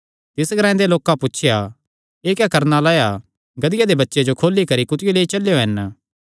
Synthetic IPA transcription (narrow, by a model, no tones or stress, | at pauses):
t̪ɪsɡɾãːd̪eloːkapʊtːt͡ʃʰɪja | eːkɛkɐɾnalaːja | ɡɐd̪ɪjad̪ebɐtːʃed͡ʒokʰoːlikɐɾikʊt̪ɪjoleːit͡ʃɐlejoɦɐn